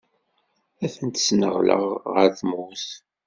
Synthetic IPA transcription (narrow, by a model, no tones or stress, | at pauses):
æθənt̪snəʁlə̰ʁʁəɾθmuθ